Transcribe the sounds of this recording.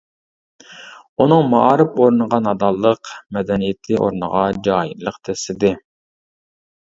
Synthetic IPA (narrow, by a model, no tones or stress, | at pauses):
unɨŋmɑɑːɾɨpoɾnəʁɑnɑd̪ɑlˠːəqmɛd̪ɛnijɪt̪ʰɪʔo̰ɾnə̰ʁɑd͡ʒɑːjḭlˠəqt̪ʰɛsɪd̪ɪ